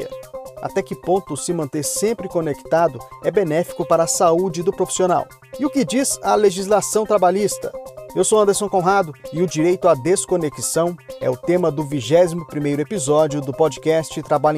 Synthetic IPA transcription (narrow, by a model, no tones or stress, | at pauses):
ɐ̰a̰t̪ɛkɪpõnt̪ʊsɪmɐ̃nt̪eɾsẽmpɾɪkonekt̪ad̪ʊɛbenɛfi̥kʊpaɾɐːsaud͡ʒɪd̪ʊpɾofi̥siona̰w | ɪʊkɪd͡ʒizɐleʒizlasɐ̃w̃t̪ɾabaʎist̪ɐ̰ewsowɐ̃nd̪eɾsõw̃kõw̃ɦad̪ʊɪʊd͡ʒiɾejt̪ʊad̪eskonekisɐ̃w̃ɛ̰ʊt̪ẽmɐd̪ʊviʒɛzimʊpɾimejɾʊepizɔd͡ʒiʊd̪ʊpɔd͡ʒikɛst͡ʃɪt̪ɾabaʎ